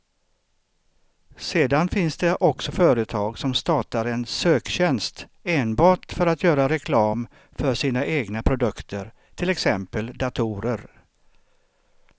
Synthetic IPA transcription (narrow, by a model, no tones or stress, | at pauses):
seːd̪anfɪnsd̪ɛʔɔksɔfœːɾət̪ʰɑːɡsɔmst̪ɑːʈaɾɛnsøːkɕɛnst̪eːnbɑːʈfœɾat̪ʰjœːɾaɾɛkʰlɑːm | fœʂiːnaʔeːɡnapʰɾʊd̪ɵkt̪ʰəɾ | t̪ʰɪlɛksɛmpəld̪at̪ʰʊuːɾəɾ